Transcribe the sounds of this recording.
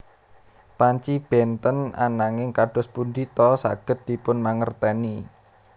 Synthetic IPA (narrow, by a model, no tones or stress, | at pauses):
paɲt͡ʃib̥ɛnt̪əna̰naŋɪŋkaɖ̥ʊ̤spund̪it̪ɔsa̰ɡ̥ə̤t̪̚d̪̥i̤pʊnmaŋərt̪ɛni